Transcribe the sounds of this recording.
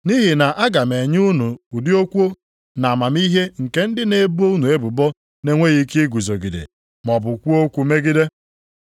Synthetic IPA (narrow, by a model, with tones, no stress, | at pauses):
ni˦ɦi˨na˨ʔa˦ɡa˨m˨e˨ɲ˦u˦nu˨u˨dɪ˦o˦kʷu˦o˦ | na˨a˨ma˨m˦i˦ɦe˦ŋ̩˨ke˦n̩˦dɪ˦ne˨bo˦u˦nu˨e˦bʊ˨bɔ˦ | ne˦ŋʷe˦ɣi˦ki˦e˦ɡu˨zo˨ɡi˨dḛ˨ | m˨ɔ˨bʊ˨kʷu˦o˦kʷu˨˦me˦ɡi˦de˦